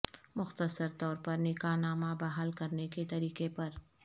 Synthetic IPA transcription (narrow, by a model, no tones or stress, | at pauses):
mʊxt̪əsəɾt̪ɔːɾpɐɾnɪkaːnaːmabaɦalkɐɾneket̪ɐɾiːkepɐɾ